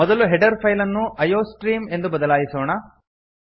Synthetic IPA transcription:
mɔd̪ɐluɦeɖɐɾpʰɐjlɐnːuʔɐjoːsʈɾiːme̞nd̪ubɐd̪ɐlaːjisoːɳɐ

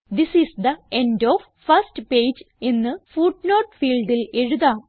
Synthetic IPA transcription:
d̪isisd̪ɐendoʋ | fɐstpeːd͡ʑ | enːɨfuʈnoːʈfiːlɖileɻuðaː

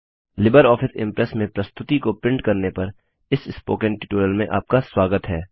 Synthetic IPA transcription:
lɪbəɾɔːfɪsɪ̰̃mpɾɛsmẽpɾɐst̪ʊt̪ikopɾɪ̃ɳɖkɐɾnepɐɾ | ɪsɪspoːkə̃ɳʈɪʈuːɾjəlmẽʔa̰ːp̚kaswaːɡət̪ɦɛː

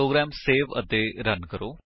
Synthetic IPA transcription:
oːɡɾɛːmseːʋə̰t̪eːɾənkəɾoː

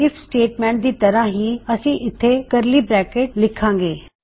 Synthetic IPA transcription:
ɪpʰsʈeːʈmɛ̃ːɳʈ̚d̪iːt̪əɾãːɦiːəsĩːʔɪt̪ʰːeːkəɾliːbɾɛːkeːʈlɪkʰːãːŋɡeː

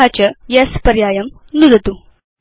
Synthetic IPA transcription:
at͡ʃɐjɐspɐɾjaːjɐm | nud̪ɐt̪u

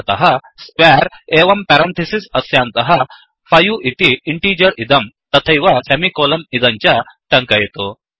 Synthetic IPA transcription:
t̪ɐɦa | skʋɛɾeʋɐmpɛɾɐnt̪ʰesisɐsjãnt̪ɐɦa | fajuʔit̪iiɳʈiːd͡ʑəɾid̪ɐmt̪ɐt̪ʰɐjʋasemikolɐmid̪ɐɲt͡ɕjaʈɐ̃ŋkajet̪o

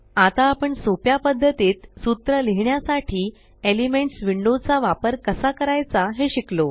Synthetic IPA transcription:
at̪aːpəɳsopjapəd̪ʱːət̪iːt̪sut̪ɾəleɦɳjasaʈʰiː | elimeɳʈsʋiɳɖot͡saʋapəɾkəsakəɾajt͡saɦeɕiklo

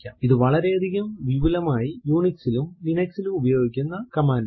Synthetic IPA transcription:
aːiðɨʋɐɭɐɾe̞ɐd̪ʱiɣɐmʋiʋilɐmaːjijuːɳiksilumlinɐksilumubɐjo̞ːɡikʲːunːɐkɐmaːnɐ

